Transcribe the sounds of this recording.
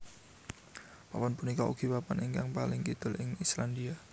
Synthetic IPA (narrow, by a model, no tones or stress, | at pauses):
papɔnpunikaʔṵɡ̥i̤papaniŋkaŋpalɪŋkid̪̥ʊ̤lɪŋisland̪ia